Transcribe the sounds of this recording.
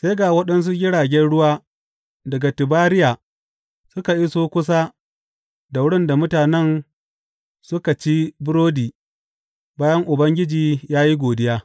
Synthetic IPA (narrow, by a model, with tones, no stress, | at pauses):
se˦ɡaː˨wɐ˦ɗɐ˦ns̬u˦ɡʲɪ˦ɽaː˨ɡʲɛ˦nɽʊ˦waː˦ | dɐ˨ɡa˨tɪ˨baː˦ɾɪ˦jaː˨ | sʊ˦ka˨ʔi˦soː˦kʷʊ˦s̬a˦ | da˨wʊ˦ɽɪ˦nda˨mʊ˦taː˨nɛ˦n | sʊ˦ka˨t͡ʃi˦bʊ˦ɾoː˦diː˨ | baː˦jɐ˦ŋʔʊ˨bɐ˦ŋɡʲɪ˦d͡ʒiː˨jaː˦ji˦ɡʷoː˨dɪ˦jaː˦